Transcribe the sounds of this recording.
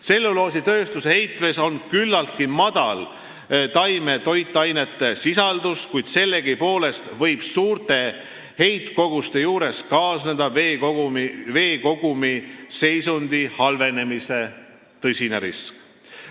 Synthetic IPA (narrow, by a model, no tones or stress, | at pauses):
se̞lːulo̞ːs̬it̪ø̞ːst̪usehe̞jt̪ˑveso̞nkylːɑlt̪̚kimɑd̪̥ɑ̰l | t̪ɑjme̞t̪o̞jt̪ːˑɑjne̞t̪ːˑe̞sisɑld̪̥uskujd̪̥se̞lːe̞ɡ̥ipo̞ːle̞st̪vɤ̞jb̥suːrt̪e̞ | he̞jt̪ko̞ɡ̥ust̪e̞juːɾe̞skɑːsned̪ɑeoumive̞ːko̞ɡ̥umise̞jsund̪ihɑlve̞ne̞mise̞ | t̪ɤsʲineɾḭsk